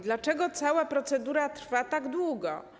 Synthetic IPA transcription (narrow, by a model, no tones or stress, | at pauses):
d̪lat͡ʂɛɡɔt̪sawapɾɔt̪sɛd̪uɾat̪ɾ̥fat̪aɡd̪wuɡɔ